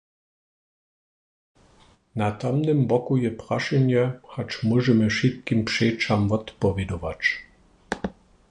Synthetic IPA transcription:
nat̪amnɛmbɔkujɛpʁaʃɛɲjɛhat͡ʃmɔʒɛmɛʃit̪kimpʂɛt͡ʃamvɔt̪pɔvʲɛd̪ɔvat͡ʃ

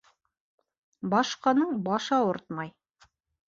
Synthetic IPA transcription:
bɑʃqɑnɤɴbɑʃɑoɾt̪mɑj

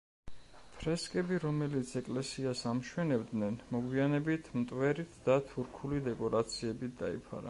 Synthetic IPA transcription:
pʰɾɛskʼɛbiɾɔmɛlit̪sʰɛkʼlɛsiasamʃwɛnɛbd̪nɛnmɔɡwianɛbit̪ʰmt̪ʼwɛɾit̪ʰd̪̥at̪ʰuɾkʰulid̪ɛkʼɔɾat̪sʰiɛbit̪ʰd̪̥a̰ḭpʰa̰ɾa̰

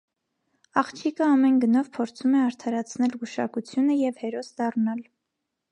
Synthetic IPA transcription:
ɑχt͡ʃʰikəɑmɛnɡənɔvpʰɔɾt͡sʰumɛɑɾt̪ʰɑɾɑt͡sʰnɛlɡuʃɑ̰kut͡sʰjunəjɛvhɛɾɔsd̪ɑrnɑl

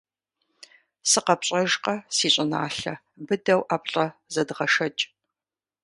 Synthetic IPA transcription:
sɨqɐpɕʼɐʒqɐsiːɕʷʼɪna̰ːɬɐ | bɨdɐwʔapʼɬʼɐzɐdʁɐʂɐt͡ʃʼ

